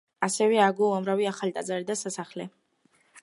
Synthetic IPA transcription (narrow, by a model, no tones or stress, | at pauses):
asɛvɛaɡuamɾaviaχalit̪ʼazaɾid̪asasaχlɛ